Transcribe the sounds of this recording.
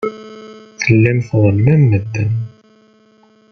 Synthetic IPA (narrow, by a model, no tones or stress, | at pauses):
θəlːimθðˤəlmænməd̪ːən